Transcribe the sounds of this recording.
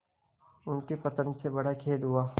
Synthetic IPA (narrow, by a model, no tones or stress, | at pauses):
ʊnkepɐt̪ənsebɐɽakʰeːlɦuaː